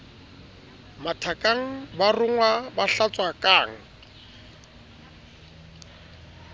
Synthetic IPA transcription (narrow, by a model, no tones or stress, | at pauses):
matʰakʼaŋ̩barʊŋwabaɬat͡sʼwakʼaːŋ̩